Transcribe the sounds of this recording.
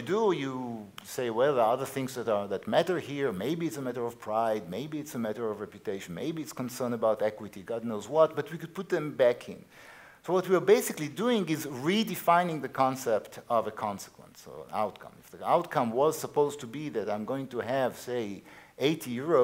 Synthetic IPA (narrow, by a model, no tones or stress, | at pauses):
dujuseɪwɛlˠðə˞ʌðə˞θɪ̃ŋzðæɾə˞ðɨtmæɾə˞hiɹmeɪbiɨtsəmæɾə˞ʌv̥pʰɹ̥aɪd̚meɪbiɨtsəmæɾə˞ʌvɹɛpjutʰeɪʃn̩mḛɪbiɨtskə̃n̩sɜ̃˞nəbaʊtɛkwɨtiɡɑdⁿnoʊzwʌt̚b̥ʌt̚wikɨd̚pʰʊt̪̚ðɨ̃mbækʰɪ̰̃n | soʊwʌt̚wiə˞beɪsɨkliduɪ̃ŋɪzɹidɨfãɪ̃nɪ̃ŋðɨkʰɑ̃nsɛptʰʌvəkʰɑ̃nsə̥kwə̰̃nso̰a̰ʊt̚kʰʌ̰̃mɪfðiaʊtkʰʌ̃mwʌz̥səpoʊztʰubiðɨɾãɪ̃mɡoʊɪ̃ŋtuæv̥seɪʔeɪtʰijʊɹo